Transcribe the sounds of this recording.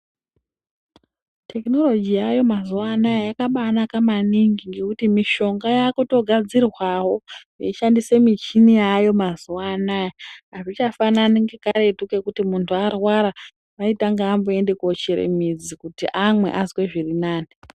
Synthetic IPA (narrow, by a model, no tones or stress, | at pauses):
tʰe̞kno̞lo̞d͡ʒijajo̞mazuwanajajakaɓanakamaniŋɡiŋɡe̞kutimiʃo̞ŋɡajakuto̞ɡʱad͡zirwawo̞ | iʃandisemit͡ʃinijajo̞mazuwanajaaʐit͡ʃafananiŋɡekaɾetuke̞kutimuntʰuarwaɾa | ʋaitaŋɡaːmbue̞ndekot͡ʃeɾḛmid͡zikutiʔamwe̞̰ʔazweʐirinaːni